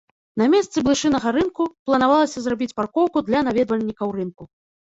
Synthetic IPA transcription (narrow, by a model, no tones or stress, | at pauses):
namʲɛst̪sɨblˠɨʂɨnɐɣɐɾɨnkuplˠɐnavalˠɐsʲɐzrabʲit͡sʲparkɔwkud̪lʲɐnavʲɛd̪vɐlʲnʲikɐwrɨnku